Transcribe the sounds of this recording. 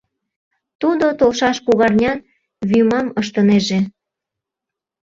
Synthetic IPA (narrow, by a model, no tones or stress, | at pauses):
t̪ud̪ot̪olʃɑʃkuɣɑrnʲɑn | βymɑməʃt̪əneʒe